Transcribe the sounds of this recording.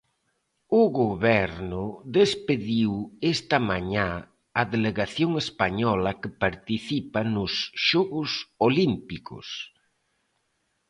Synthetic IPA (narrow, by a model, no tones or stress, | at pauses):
ʊɣoβɛɾnʊðespeðiwest̪ɐmaɲã | aðeleɣaθjoŋespaɲɔlakɪpaɾt̪iθipanʊsʃɔɣʊsolimpikʊ̰s